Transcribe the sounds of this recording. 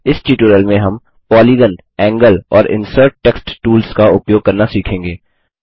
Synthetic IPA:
ɪsʈiːʈuɾəlmẽɦɐm | pɔːliːɡən | ɛ̃ːŋɡəlɔːɾɪ̰̃nsəːɾʈ̚ːeːksʈʈuːlskaʊpjoːɡ̚kɐɾnasiːkʰẽːŋɡeː

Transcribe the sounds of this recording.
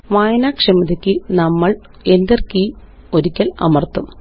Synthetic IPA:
ʋaːjɐnaːkʂɐmɐðɐkʲːɨnɐmːɐɭ | endɐrki | o̞ɾikʲːɐlɐ̰mɐrt̪ːum

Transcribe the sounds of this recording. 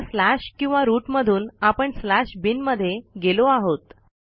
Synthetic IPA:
slaɕkĩw̃ʋaɾuːʈməd̪ʱuːnapəɳslaɕbinməd̪ʱːjeɡeloaɦot̪

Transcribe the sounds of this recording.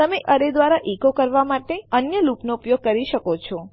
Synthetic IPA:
t̪əmeʔəɾed̪ʋaɾaʔikokəɾʋamaʈeənjəlupnoupjoɡ̚kəɾiʃəkot͡ʃʰɔ

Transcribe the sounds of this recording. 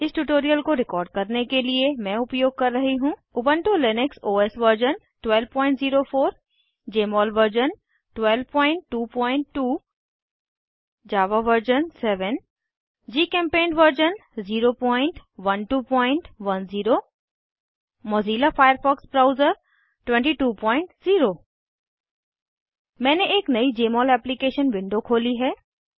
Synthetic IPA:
ɪsʈuʈoːɾijəlkoɾɪkɔːɾɖ̚kɐɾnekeliemɛ̃ʊpjoːɡ̚kɐɾːɐɦiɦũːʊbə̃ɳʈolɪnɪksoːesʋəɾd͡ʒən | ʈwɛːlʋpɔ̃ːɪ̃ɳʈziːɾofʰoːɾ | d͡ʑeːmɔːlʋəɾd͡ʑən | ʈwɛlʋpɔ̃ːɪ̃ɳʈːuːpɔ̃ːɪ̃ɳʈːuː | d͡ʑaːʋaʋəɾd͡ʒənsɛːʋən | d͡ʑiːkɛ̃ːmpẽːnʋəɾd͡ʑənziːɾopɔːɪɳʈʋɐnʈuːpɔ̃ːɪɳʈʋɐnziːɾo | mɔːziːlafʰaːjəɾfɔːksbɾaːʊzəɾ | ʈʋɛ̃ɳʈiʈuːpɔ̃ːɪ̃ɳʈziːɾo | mɛ̃ːneʔeːknɐid͡ʑeːmɔːlɛːplikeːʃənʋɪ̃ɳɖʱokʰoːliɦɛː

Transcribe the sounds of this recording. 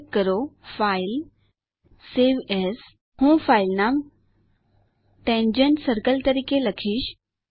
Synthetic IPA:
kːəɾofaːɪl | eːʋeːs | hũːfʰaːɪlnaːm | ʈẽːnd͡ʑəɳʈsəɾkəlt̪əɾiːkelɐkʰiːʃ

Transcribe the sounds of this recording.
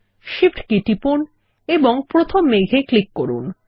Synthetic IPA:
ʃifʈkiʈipun | eboŋpɾot̪ʰomːeɡʱeklikːoɾṵn

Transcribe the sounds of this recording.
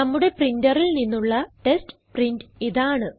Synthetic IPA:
nɐmːuɽe̞prindɐrilninːuɭːɐʈe̞stprindiðaːɳɨ

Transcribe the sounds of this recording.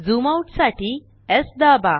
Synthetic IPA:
zumawʈsaʈi | ɛsd̪aba

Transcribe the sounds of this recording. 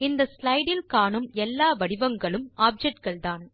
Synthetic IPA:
ɪnd̪ɐslɐɪɽɪlkaːɳɯmɛlːaːʋɐɽɪʋɐŋɡɐɭɯmʔaːp̚d͡ʒɛk̚ʈ̚kɐɭt̪aːn

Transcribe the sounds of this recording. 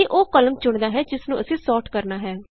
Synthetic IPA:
iːʔoːkələmt͡ʃʊɳd̪aːɦɛːd͡ʒɪsnũːʔəsĩːsɔːʈkəɾnaːɦɛː

